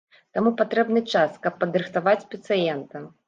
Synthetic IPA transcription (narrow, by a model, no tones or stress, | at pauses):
t̪amupat̪ɾɛbnɨt͡ʂaskɐpːɐd̪ɾɨxt̪avat͡sʲsʲpʲɛt̪sɨjɛnt̪ɐm